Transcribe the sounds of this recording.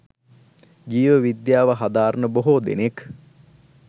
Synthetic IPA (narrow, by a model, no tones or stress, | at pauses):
d͡ʒiːʋəʋid̪jaːʋəɦad̪aːɾənəboɦod̪ḛnek